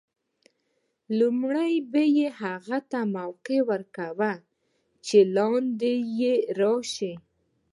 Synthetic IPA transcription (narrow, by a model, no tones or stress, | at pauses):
lumɽajbejehaɣat̪amawqewəɾkawa | t͡ʃelɑnd̪ejeɾɑʃi